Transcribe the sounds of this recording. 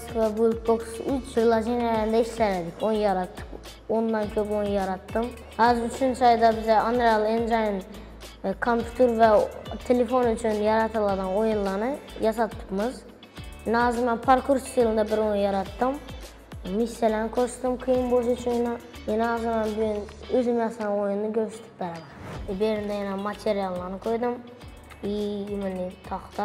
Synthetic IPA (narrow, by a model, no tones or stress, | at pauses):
svɛbulk̚boksyt͡ʃiɾlˠɑd͡ʒenɛlɾnd̪ɛiʃlæɾɛd̪ɪkʰʲonjɑɾɑt̪ːɯ̥k | ond̪ɑnkʲʰøpojnjɑɾɑt̪ːɯm | hæzyt͡ʃʰynsɑjd̪ɑbɪzɛɑnɾɑlˠend͡ʒajn | kʰompʲʰut̪ʰuɾvɛt̪ʰelefonyt͡ʃʰynjɑɾɑt̪ʰɯlˠɑd̪ɯnojunlˠɑnɯjɑs̬ɑt̪ʰːɯ̥pmɯz | nɑzɨmɛnpʰoɾkʰuɾst̪ɨlˠɨnd̪ɑbɪɾojnjɑɾɑt̪ːɨm | misːelænkʰoʃt̪ɨmqʰɨjɯmboʃ̬t͡ʃʰujnɑjɛnɑzɨmɛnbyjynøzymjɑsɑɑnojunːɨɡʲøsy̥t̪ʰɪ̥p̚bæɾɑd̪beɾind̪ɛjɛnɛmɑt̪ʰeɾijɑlˠːɑnɯkʰojd̪ɨm | ijumɪnːit̪ʰɑχt̪ɑ